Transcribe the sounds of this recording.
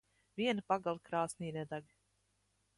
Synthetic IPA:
vʲiɛnpaɡalˠkɾaːsnʲiːnʲɛd̪aɡʲi

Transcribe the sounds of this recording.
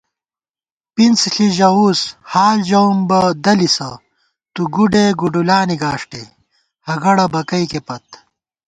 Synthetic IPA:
pint͡sɬiʑɐushaːld͡ʑɐmbɐd̪ɐlisɐ | t̪uɡuɖeɡuɖulaːniɡaːʂʈḛ | hɐɡɐɽɐbɐkɐikepɐt̪̚

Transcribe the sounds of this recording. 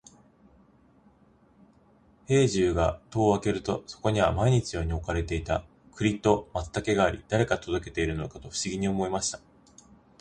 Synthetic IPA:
he̞ːʑɨːɡat̪o̞ːβake̞ɾɯ̟t̪o̞so̞̥ko̞ɲ̟iβamaiɲ̟it͡ɕijo̞ːɲ̟io̞kaɾe̞t̪e̞it̪a | kɯ̟ɾʲit̪ːo̞mat̪ːake̞ɡaːɾʲḭd̪̥aɾe̞kat̪o̞d̪o̞ke̞t̪e̞iɾɯ̟no̞kat̪o̞ɸɯ̟ɕiɡʲiɲ̟io̞mo̞emaɕi̥t̪ḁ

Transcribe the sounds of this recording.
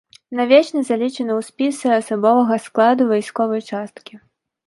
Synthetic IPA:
navʲɛt͡ʂnɐzalʲit͡ʂɐnɐwsʲpʲisɨɐsabɔvɐɣɐsklˠad̪uvajskɔvɐjt͡ʂast̪kʲi

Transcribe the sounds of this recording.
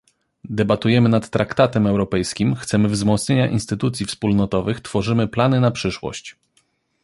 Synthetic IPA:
d̪ɛbat̪ujɛmɘnat̪ːɾʔakt̪at̪ɛmɛwɾɔpɛjskʲimxt̪sɛmɘvzmɔt̪sɲeɲaʔinst̪ɘt̪ut̪sʲjifspulnɔt̪ɔvɘxt̪fɔʐɘmɘplanɘnapʂɘʂwɔ̰ɕt͡ɕ

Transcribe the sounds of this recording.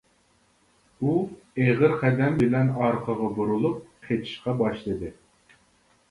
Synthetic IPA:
u | eʁɨɾχɛd̪ɛmbɪlɛnɑɾqʰɑʁɑbuɾulˠup̚qʰet͡ʃ̪ʰi̥ʃqɑbɑʃlˠɨd̪ɨ

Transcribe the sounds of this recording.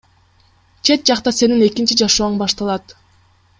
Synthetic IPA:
t͡ʃʰe̞t̪̚d͡ʒɑqt̪ɑse̞nine̞kint͡ʃid͡ʒɑʃoːɴbɑʃt̪ɑlˠɑt̪

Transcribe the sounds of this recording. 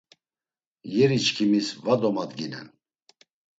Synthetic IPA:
jɛɾit͡ʃkʰimisvad̪ɔmad̪ɡinɛ̰n

